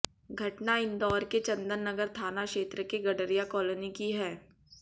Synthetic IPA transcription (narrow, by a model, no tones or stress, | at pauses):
ɡʱɐʈnaɪ̃nd̪ɔːɾket͡ʃɐ̃nd̪ənːɐɡəɾt̪ʰaːnakʃeːt̪ɾəkeɡɐɖəɾijakɔːlənikiɦɛː